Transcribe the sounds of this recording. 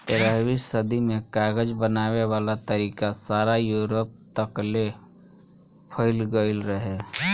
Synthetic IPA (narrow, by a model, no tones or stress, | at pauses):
t̪ɪɾəɦwiːssəd̪imẽkaːɡəd͡ʒbənaːwewaːlat̪əɾiːkasaːɾajuːɾop̚t̪əkle | pʰəɪlɡəɪlɾəɦeː